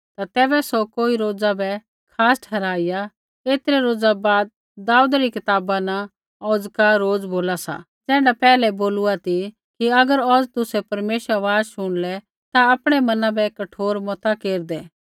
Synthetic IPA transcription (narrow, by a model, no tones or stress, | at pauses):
t̪at̪ɛːbɛsɔkoːiɾoːd͡zabɛ | kʰaːsʈʰɛːɾaːɪja | eːt̪ɾɛɾoːd͡zabaːd̪̚ | d̪ːaːud̪ɾikɪt̪aːbana | ɔːd͡zkaɾoːd͡zboːlasa̰ | d͡zɛ̃ːɖapɛːlɛboːluat̪i | kiɐɡəɾɔːd͡zt̪ʊsɛpɐɾmeːʃəaʋaːd͡zʃʊɽ̃lɛ | t̪aɐpɽ̃ɛmɐnãbɛkɐʈʰoːɾmɔt̪akeːɾd̪ɛː